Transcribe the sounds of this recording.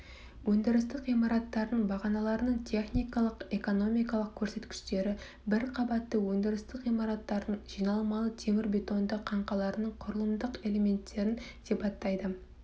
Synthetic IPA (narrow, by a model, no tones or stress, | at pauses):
wɵnd̪ɪɾɪst̪ɪqijmɑɾɑt̪ːɑɾd̪əɴbɑʁɑnɑlˠɑɾənəɴt̪ʰe̞χnijkɑlˠəqeko̞no̞mijkɑlˠəq̚kʲʰːɵɾse̞t̪kʲɪ̥ʃt̪e̞ɾɪ | bɪɾqʰɑbɑt̪ːəwɵnd̪ɪɾɪst̪ɪqijmɑɾɑt̪ːɑɾd̪əɴʒ̥ijnɑlˠmɑlˠət̪ʰe̞mɪɾbʲe̞t̪o̞nd̪əqʰɑɴqɑlˠɑɾənəɴqʰʊɾəlˠəmd̪əqe̞le̞me̞nt̪ːe̞ɾɪnsepɑt̪ːɑjd̪ə